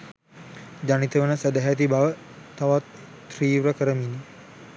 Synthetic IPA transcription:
d͡ʒanit̪əʋənəsəd̪aɦæt̪̬ibaʋə | t̪aʋat̪ː | riːʋɾəkəɾəmini

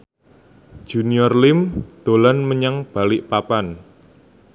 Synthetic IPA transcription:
ʒ̥ṳniɔrlɪmd̪̥o̤lanməɲaŋb̥a̤lɪʔpapan

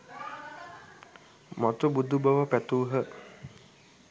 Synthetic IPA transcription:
mɔt̪ubud̪ubəʋəpɛt̪uːɦə

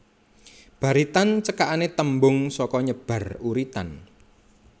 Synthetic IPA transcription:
b̥ä̤ɾit̪ant͡ʃəkaʔanet̪əmbʊŋsɔkɔɲəb̥a̤ruɾit̪a̰n

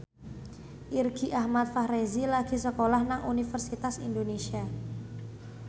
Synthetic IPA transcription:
ʔirɡ̥iʔahmat̪̚fahɾezilaɡ̥i̤səkolahnaŋʔṵnifərsit̪asindonesia

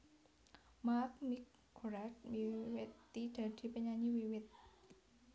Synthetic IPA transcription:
mak̚nikʰː | oɾatwiwet̪ːidat̪ʰipanɲaːɲiwiwet̪̚

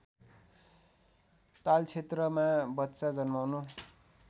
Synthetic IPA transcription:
t̪alt͡sʰet̪rʌmabʌtːt͡sad͡zʌnmawnu

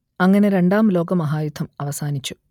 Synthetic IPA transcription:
ɐŋːɐne̞ɾe̞ɳɖaːmlo̞ːɡɐmɐɦaːjud̪ʱɐmɐʋɐsaːnit͡ɕːu̥

